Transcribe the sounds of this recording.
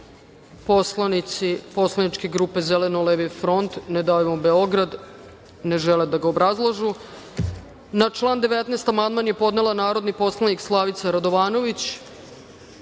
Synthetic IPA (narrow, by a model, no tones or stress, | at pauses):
poslanisipo̞slˠanit͡ʂke̞ɡɾuːpe̞zelenoleʋifɾo̞nt̪ned̪ajmombeo̞ɡɾad̪ | ne̞ʒeled̪aɡaobɾazlˠaʒu | nat͡ʃlˠaːnd̪eʋet̪neːst̪amand̪manje̞po̞d̪ne̞lˠanaːɾo̞d̪nipo̞slˠanikslˠaʋit̪saɾad̪o̞ʋaːno̞ʋit͡ɕ